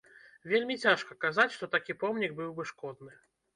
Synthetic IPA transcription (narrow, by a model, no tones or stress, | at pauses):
vʲelʲmʲit͡sʲaʂkɐkazat͡sʲʂt̪ɔt̪akʲipɔmnʲiɡ̚bɨwbɨʂkɔd̪̚nɨ